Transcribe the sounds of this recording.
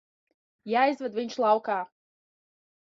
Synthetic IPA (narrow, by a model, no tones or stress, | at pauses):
jaːizvad̪viɲʃlˠɑwkaː